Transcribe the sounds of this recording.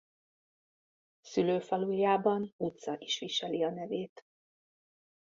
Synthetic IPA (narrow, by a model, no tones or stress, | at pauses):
syløːfɒlujjaːbɒnut̪sɒʔiʃʋiʃɛliɒnɛveːt̪